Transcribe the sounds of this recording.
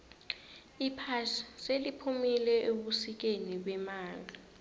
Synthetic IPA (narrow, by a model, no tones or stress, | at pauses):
ipʰaʃḁselipʰumilɛʔoɓusik̬eniɓɛmaːŋɡʱa